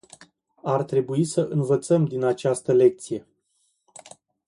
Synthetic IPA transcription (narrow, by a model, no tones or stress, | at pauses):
art̪ɾe̞buisəʔɨnvət̪səmd̪inat͡ʃast̪əle̞k̚t̪sije̞